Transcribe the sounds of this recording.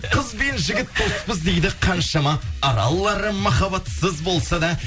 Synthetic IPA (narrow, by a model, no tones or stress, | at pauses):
qʰəzbe̞nʒɪɡʲɪt̪̚ːospəzd̪e̞jd̪ɪqʰɑnʃɑmɑːɾɑ̰lˠːɑɾəmɑχɑbɑt̪səzbo̞lˠsɑd̪ɑ